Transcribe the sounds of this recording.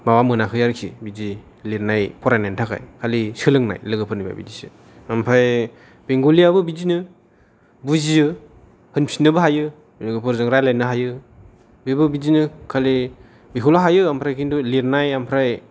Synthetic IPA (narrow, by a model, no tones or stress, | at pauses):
mawamɯnakʰɯjaɾkʰḭbizi | liɾnajpʰɔɾajnajntʰaka̰jkʰalisɯlɯŋna̰jlɯɡɯpʰɯɾniba̰bḭdisḭ | ampʰɾaj | b̥eŋɡuliabɯbizinɯ | buzijɯ | hɯnpʰinɯbɯɦajɯ | lɯɡɯpʰɯɾzɯŋɾajlajnɯɦajɯ | bibɯbizinɯkʰali | bikʰulaɦajɯampʰɾajkʰinduliɾnajampʰɾaj